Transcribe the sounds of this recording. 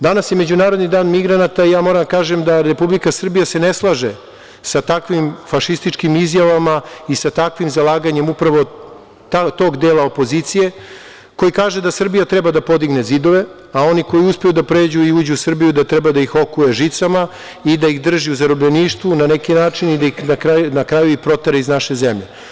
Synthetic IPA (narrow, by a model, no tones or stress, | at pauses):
d̪anasje̞me̞d͡ʑunaːɾo̞d̪nid̪aːnmiɡɾanat̪aijaːmo̞ɾad̪akaːʒemd̪aɾe̞publikasr̩bijase̞neslˠaʒe | sat̪akʋimfaʃist̪it͡ʃkimizjaʋamaisat̪akʋimzalˠaːɡaɲe̞mupɾaʋo̞ | t̪at̪o̞ɡd̪eːlˠaopo̞ziːt̪sije̞ | ko̞jikaːʒe̞d̪asr̩bijat̪ɾɛbad̪apo̞d̪iɡnezid̪o̞ʋe̞ | ao̞niko̞jiuspejud̪apɾe̞ːd͡ʑuiuːd͡ʑuːsr̩bijud̪at̪ɾɛbad̪aixo̞kujeʒit̪sama | id̪aiɣd̪r̩ʒiuzaɾobʎeniːʃt̪ʋunanekinaːt͡ʃinid̪aixnakɾanakɾajuixpɾo̞t̪eɾeiznaʃe̞zemʎḛ